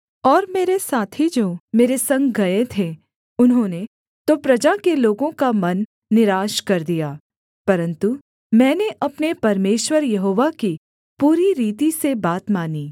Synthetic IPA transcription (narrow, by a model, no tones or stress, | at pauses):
ɔːɾmeːɾesaːt̪ʰid͡ʒoːmeːɾesɐ̃ŋɡɡɐet̪ʰe | ʊnɦõːne | t̪opɾɐd͡ʒakeloːɡõkamɐnː | ɪɾaːʃkɐɾd̪ijaː | pɐɾə̃nt̪u | mɛ̃ːneʔɐpnepɐɾmeːʃwəɾjɐɦoːʋaki | puːɾiɾiːt̪isebaːt̪maːniː